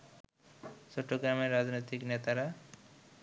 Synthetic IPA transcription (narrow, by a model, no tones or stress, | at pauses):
t͡ɕoʈːoɡɾameɾːad͡ʑnojt̪iknet̪aɾa